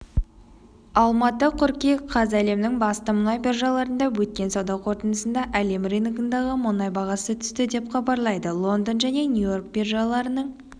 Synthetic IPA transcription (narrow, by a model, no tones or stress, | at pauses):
ɑlˠmɑt̪əqʰʊɾkʲeqʰɑzæle̞mnɪŋbɑst̪əmʊnɑjbʲerʒɑlˠɑɾənd̪ɑwɵt̪̚kʲe̞nsɑwd̪ɑwqʰo̞ɾt̪ənəsənd̪ɑʔæle̞mrejnŋɡənd̪ɑʁəmʊnɑjbɑʁɑsət̪ʰʏ̥st̪ɪd̪e̞pχɑbɑɾlˠɑjd̪əlˠo̞nd̪ənʒæne̞nʲjujo̞rk̚bʲerʒɑlˠɑɾənəɴ